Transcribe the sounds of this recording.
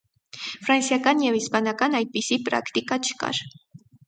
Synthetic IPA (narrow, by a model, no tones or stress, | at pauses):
fɾansjakanjawɪspanakanajpɪsipɾa̰kt̪ikat͡ʃka̰ɾ